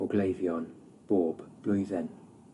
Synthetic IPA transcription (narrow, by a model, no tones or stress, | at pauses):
ɔɡlejvjɔn | b̥oːb̥b̥lʊjðɛn